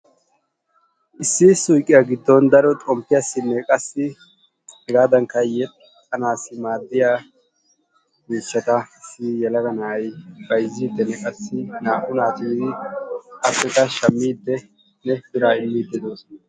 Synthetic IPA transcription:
ʔɪsːɪsʊjkʼːɪjaɡɪd̪ːɔnd̪ɐɾɔt̪ʼɔmpːɪjasːɪnːɛkʼɐsːɪ | ɛɡaːd̪ɐŋkːɐjɛt̪ʼ | ɐnaːsɪmaːd̪ːɪjaː | miːʃːɐt̪ɐɪsijɛlɐɡɐnaːjb̥ɐjzːiːd̪ːɛnːɛkʼɐsːɪnaːʔʊnaːt̪ɪd̪ɪ | ɐfːɛt̪ɐʃɐmːiːd̪ːɛ | nɛfɪɾaːɪmːiːd̪ːɛd̪oːsɔnɐ

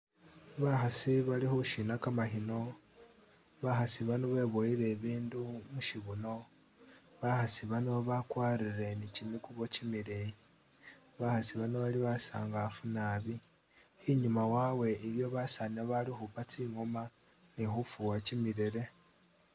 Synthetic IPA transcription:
βaxasiβalixuʃinakamaxino̞ | βaxasiβanoβe̞ːβojiɾe̞βiːndumuʃiβuno̞ | βaxasiβanoβakwaːɾiɾe̞nicimikuβo̞cimiɾe | βaxasiβanoβaliβasa̰ːŋɡafunaβi | iɲumawaːwe̞iɾjo̞βasaneβalixupat͡siŋo̞ma | nixufuwacimiɾeɾe̞

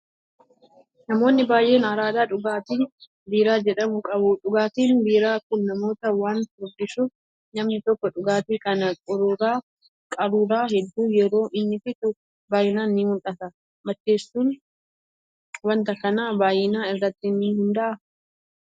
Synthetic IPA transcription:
nɐmo̞ːnːɪbaːjʔe̞ːnɐɾaːd̪aːᶑʊɡaːt̪iːn | b̪iːɾaːd͡ʒɛᶑɐmʊkʼɐbʊᶑʊɡaːt̪iːnd̪iːɾaːkʊnːɐmo̞ːt̪ɐwaːnɔdɪsuːf | nɐmnɪt̪ɔkːɔᶑʊɡaːt̪iːkɐnɐkʼɔɾʊːɾaː | kʼɐɾuːɾaːhɛd̪ːuːjɛɾo̞ːʔɪnːɪfɪt̪ʊ | baːjɪnaːnɪːmʊlᶑɐt̪ɐ | mɐt͡ʃːe̞ːsːuːn | wɐnt̪ɐkɐnaːbaːjɪnaːɪrːɐt̪ːɪniːhɪnd̪ɐʔɐ

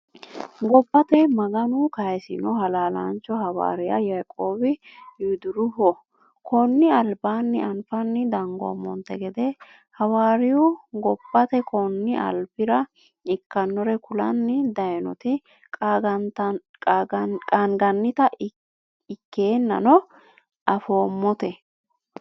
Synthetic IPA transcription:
ɡɔbːɐt̪ɛmɐɡɐnʊkɐjɛsɪ̰nɔɦɐlaːla̰nt͡ʃːɔhɐwa̰ːɾɪja̰jajkʼoːbɪjud̪ʊɾʊhɔ | kʰɔnːɪɐlbaːnːɪɐnfɐnːɪd̪ɐŋɡɔ̰mɔ̰nt̪ːɛɡɛd̪ɛ | hɐwaːɾɪjʊɡɔbːɐt̪ɛkɔnːɪʔɐ̰lpɪɾɐ | ɪkːɐnːɔɾɛkʊlɐ̰nːɪd̪ɐjnɔt̪ɪ | kʼːt̪ | kʼaŋɡɐnːɪt̪ɐ | ɪkːeːnːɐ̰nɔ | ʔɐfo̞ːmːɔt̪ɛ

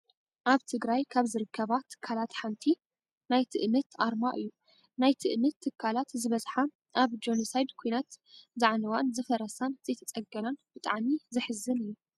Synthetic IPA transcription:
ʔaβt̪ʰɨɡɾajkʰaβzɨɾɨkʰːɐβat̪ʰɨ̥kʰːalat̪ħant̪ʰi | najt̪ʰɨʔmɨt̪ʰʔaɾmaʔɨjːu | najt̪ʰɨʔmɨt̪ʰːɨkʰːalat̪zɨβɐzħa | ʔaβd͡ʒonosajd̪kʰojnat̪zaʕnɐwanzɨfɐɾɐsanz̥ɐjt̪ʰɐt͡sʼɐɡɐnanb̥ɨt̪ʼaʕmizɨħɨzːɨnɨjːu

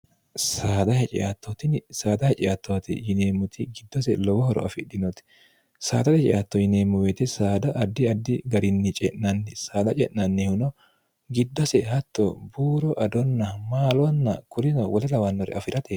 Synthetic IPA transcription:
saːd̪ɐhɛt͡ʃʼɪ̰ʔat̪ːɔt̪ɪnsaːd̪ɐhɛt͡ʃʼɪat̪ːɔwɐt̪ɪ̰jɪneːmːʊt̪ʰɪɡɪd̪ːɔsɛlɔwɔhɔɾɔ̰ɐ̰fɪd̪ɪnɔt̪ɪ̥ | sa̰ːd̪ɐt̪ɛt͡ʃʼɪ̰ʔat̪ːɔjɪneːmːʊweːt̪ɛsaːd̪ɐʔɐd̪ːɪɐd̪ːɪɡɐɾɪnːɪt͡ʃʼɛʔnɐnːɛsaːd̪ɐt͡ʃʼɛʔnnːɐnːɛhʊnɔ | ɡɪd̪ːɔsɛhɐt̪ːɔbuːɾɔʔɐd̪ɔnːɐmaːlɔɐnːɐkʊɾɪnɔwɔlɛlɐwɐnːɔɾɛ̰ɐfɪɾɐt̪e

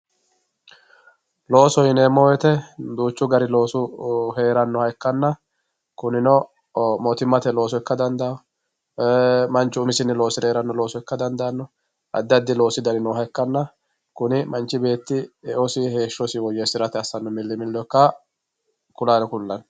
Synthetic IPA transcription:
lo̞ːsɔjɪneːmɔːjɛt̪ɛd̪uːt͡ʃːʊɡɐɾɪlo̞ːsʊɦe̞ːɾɐnːɔhɐjkːɐnːɐ | kʊnɪnɔ | mɔt̪ɪmːɐt̪ɛlo̞ːsɔɛkːɐd̪ɐnd̪ɐɔ | mɐnt͡ʃːʊʊmɪsɪnːɪlo̞ːsɪɾeːɾɐnːɔlo̞ːsɔɪkːɐd̪ɐnd̪ɐnːɔ | ʔɐ̰d̪ːɪɐd̪ːɪlo̞ːsɪd̪ɐnɪnɔɦɐjkːɐnːɐ | kʊnɪmɐnt͡ʃːɪbe̞ːt̪ːɪɛʔɔsɪhe̞ːʃːɔsɪwɔjɛsɪɾɐt̪ɛɐsːɐnːɔmɪlːɪmɪlːɔkːɐ | kʊlaːnɛkʊlːɐn

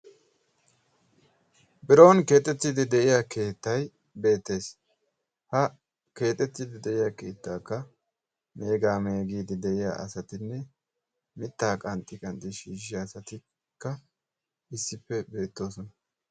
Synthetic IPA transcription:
bɪɾo̞ːnke̞ːt̪ʼːɛt̪ːid̪ɪd̪ɛʔɪjaːke̞ːt̪ːɐj | be̞ːt̪ːe̞ːs | hɐ | ke̞ːt̪ʼːɛt̪ːiːd̪ɪd̪ɛʔɪjaːke̞ːt̪ːaːkːɐ | me̞ːɡaːmeːɡiːd̪ɪd̪ɛʔɪja̰ːʔɐ̰sɐt̪ɪnːɛ | mɪt̪ːaːkʼɐnt̪ʼɪkʼɐnt̪ʼːɪʃiːʃɪjasɐt̪ɪ | kːɐ | ɪsːɪpːɛbe̞ːt̪ːo̞ːsɔnɐ

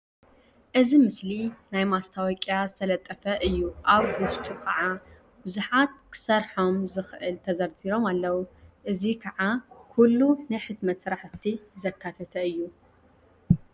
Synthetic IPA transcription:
ʔɨzimɨslinajmast̪ʰawɔkʼjazɨt̪ʰɐlɐt̪ʼːɐfɐʔɨjːuʔaβɡʊst̪ʰʼukʰɐʕa | bɨzuħat̪̚kʰɨ̥sɐɾħo̞mzɨxɨʔɨlt̪ʰɐzɐɾziɾo̞malːɐwuʔɨzikʰɐʕakʰulːunɨjħɨd̪mɐt̪sɨɾaħt̪ʰːizɐkʰːat̪ʰɐt̪ʰɐɨjːu

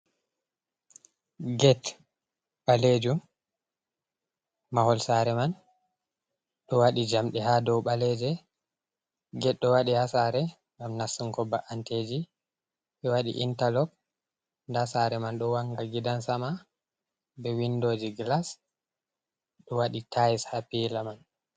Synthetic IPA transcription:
ɡɛt | ɓaled͡ʒum | ahɔlsaɾɛman | ɗɔwaɗid͡ʒamɗɛhadɔwɓalɛd͡ʒɛ | ɡɛtɗɔwaɗihasaɾɛ | ŋɡamnasuŋkɔbaʔanted͡ʒi | ɓɛwaɗḭʔḭntalɔk̚ | ndasaɾɛmanɗɔwaŋɡaɡidansama | bɛwindoːd͡ʒiɡlas | ɗɔwaɗitajishapilaman

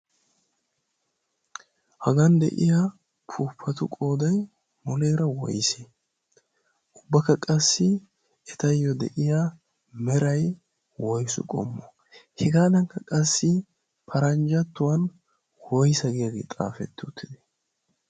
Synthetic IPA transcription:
hɐɡɐnd̪ɛ̰ʔɪja | pʰuːpʰːɐt̪ʊkʼo̞ːd̪ɐj | mɔlejɾɐwɔ̰jse | ʔʊbːɐkːɐkʼɐsːɪ | ɛt̪ɐjːɔd̪ɛ̰ʔɪja | mɛɾɐj | wɔjsʊ̰kʼɔ̰mːɔ | hɛɡaːd̪ɐŋkːɐkʼɐsːɪ | pʰɐɾɐnd͡ʒɐt̪ːʊwɐn | wɔjsɐɡɪjaɡḛːt̪ʼa̰ːfɛ̰t̪ːʊt̪ʰːɪd̪ɛ̥

